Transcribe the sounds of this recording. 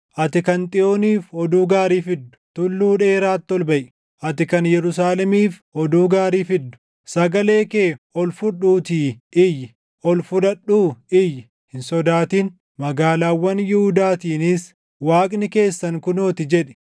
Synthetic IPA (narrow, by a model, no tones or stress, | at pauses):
ʔɐt̪ɪkɐnt̪ʼɪoːniːfɔd̪uːɡaːɾiːfɪd̪ːʊ̥t̪ʊlːuːᶑeːɾaːt̪ːɔlbɐʔ | ʔɐt̪ɪkɐnjɛɾʊs̬aːlɛmiːfɔd̪uːɡaːɾiːfɪd̪ːʊ̥ | sɐɡɐle̞ːkeːɔlfʊɗuːt̪iːʔɪjɪ | ɔlfʊᶑɐɗuːɪjɪ | hɪnsɔd̪aːt̪iːn | mɐɡaːlaːwːɐnjɪhʊd̪aːt̪iːnɪs | waːkʼnɪke̞ːsːɐŋkʊnoːt̪ɪd͡ʒɛᶑɛ̥